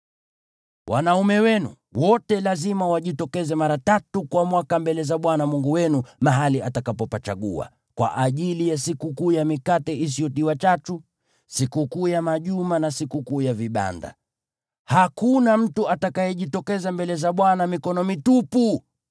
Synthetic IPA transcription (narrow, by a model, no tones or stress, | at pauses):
wʔa̰naumɛwɛnṵ | wɔtɛlazimawaʄitɔkɛzɛmaɾatatukwamwakambɛlɛzaɓwanamuŋɡuwɛnumaɦaliatakapɔpat͡ʃaɠṵa̰ | kwa̰ʔaʄilijasikukuːjamikatɛis̬iɔtiwat͡ʃatu | sikukuːjamaʄumanasikukuːjaviɓa̰nda̰ | hakunam̩tuʔatakajɛʄitɔkɛzambɛlɛzaɓwanamikɔnɔmitupu